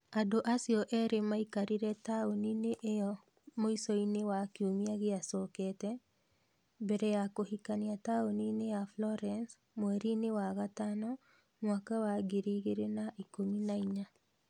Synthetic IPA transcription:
adoʔasiɔʔɛɾemaikaɾiɾɛtaonineʔejɔ | moisɔinewakiomiaɣeasɔkɛtɛ | bɛɾɛjakohikaniataoninejaflɔɾɛns | mwɛɾinewaɣatanɔ | mwakawaɡeɾiɣeɾenaʔikominaiɲa

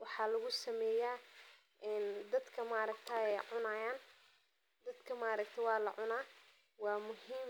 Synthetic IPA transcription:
wɑħɑːlɐɣʊsɐmɛːjaː | ʔɛːnd̪ɐd̪kʰɐmaːɾɐkt̪ʰɐɛʕʊnɐjaːn | d̪ɐd̪kʰɐmaːɾɐk̚t̪ʰɐwɑːlɐʕʊnaː | wɑːmʊhiːm

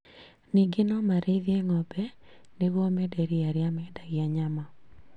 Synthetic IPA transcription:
nɪɡɪnɔmaɾeðjɛŋɔbɛneɣwomɛdɛɾiaɾjamɛdaɣjaɲama

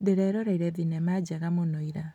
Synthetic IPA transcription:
deɾɛɾɔɾaiɾɛðinɛmad͡ʒɛɣamonoiɾa

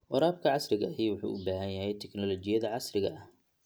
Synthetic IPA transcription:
wɑɾaːb̚kʰɐʕɑsrɪɣɐɦiːwʊħṵːʔʊbaːɦɐnjɐɦɛjt̪ʰɪknɔlɔt͡ʃɪjɐðɐʕɑsrɪɣɐ̰ʔɐh

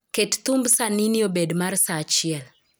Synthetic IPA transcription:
kett̪umbsaniniobedmarsat͡ʃɪɛl

